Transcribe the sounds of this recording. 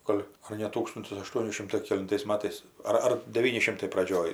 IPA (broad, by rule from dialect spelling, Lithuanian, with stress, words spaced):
ˈɡoːlʲ ɐr nʲɛ ˈtuːkstʊnʲtʲɪs ɐˈʃtuɔnʲɪ ˈʃʲɪmtɐɪ kʲɛlʲɪnˈtɐɪs ˈmɑːtɐɪs ɐr ˈɐr dʲɛˈʋʲiːnʲɪ ˈʃʲɪmtɐɪ prɐˈd͡ʒʲoːj